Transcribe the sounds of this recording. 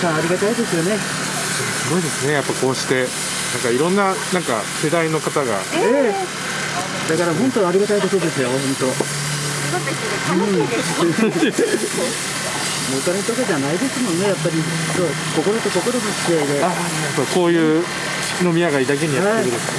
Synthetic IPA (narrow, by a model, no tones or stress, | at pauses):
haːɾʲiɡat̪aid̪e̞sɨjo̞ne̞ | sɨsɨɡo̞id̪e̞sɨne̞japːako̞ːɕi̥t̪e̞ | nãŋkaiɾõ̞nːanãŋka̰se̞d̪aino̞kat̪aɡa̰eː | d̪̥akaɾaɦõ̞nt̪o̞aɾʲiɡat̪aiko̞t̪od̪e̞sɨjo̞ɦõ̞nt̪o̞ | ɯ̟̃ | mot̪aɾat̪okaʑanaid̪e̞sɨmõ̞nːe̞japːaɾʲĩ | t̪o | ko̞ko̞ɾo̞t̪o̞ko̞ko̞ɾokikiaid̪e̞a | apːako̞ːjɯ̟ː | no̞mʲiaɡaid̪ake̞ɲ̟ijaaatekɯɾɯt̪